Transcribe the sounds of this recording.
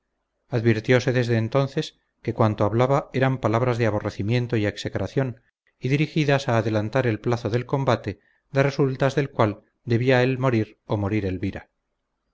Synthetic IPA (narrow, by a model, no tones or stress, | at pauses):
aðβiɾt̪jo̞se̞ðe̞zðe̞ːnt̪o̞nθe̞s | ke̞kwant̪o̞aβlaβae̞ɾampalaβ̞ɾazðeaβ̞o̞re̞θimje̞nt̪o̞ie̞ksekɾaθjo̞n | iðiɾixiðasaːðe̞lant̪aɾe̞lplaθo̞ðe̞lko̞mbat̪e̞ | d̪are̞sult̪azðe̞lkwal | d̪e̞βiae̞lmo̞ɾiɾ | o̞mo̞ɾiɾe̞lβiɾa